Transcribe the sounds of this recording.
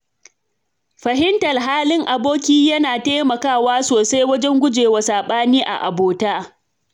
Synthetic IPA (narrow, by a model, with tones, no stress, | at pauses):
ɸɐ˨ɦɪ˦ntɐ˨rɦaː˦lɪ˦ŋʔa˨boː˦kʲiː˦jɐ˦naː˨ta˦mɐ˨kaː˦˨waː˦soː˨sa˦jwɐ˦d͡ʒɛ˦ŋɡʷʊ˦d͡ʒeː˨wa˨saː˨ɓaː˦niː˦ʔa̰˨ʔa̰˨boː˨taː˦